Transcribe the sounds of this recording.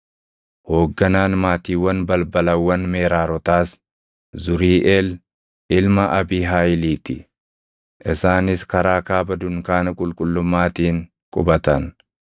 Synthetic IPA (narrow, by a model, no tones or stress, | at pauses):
ho̞ːɡːɐnaːnmaːt̪iːwːɐnbɐlbɐlɐwːɐnmeːɾaːɾɔt̪aːs | zʊɾiːʔeːl | ʔɪlmɐʔɐbiːɦaːjɪliːt̪ɪ | ʔɪsaːnɪskɐɾaːkaːbɐd̪ʊŋkaːnɐkʼʊlkʼʊlːʊmːaːt̪iːŋ | kʼʊbɐt̪ɐn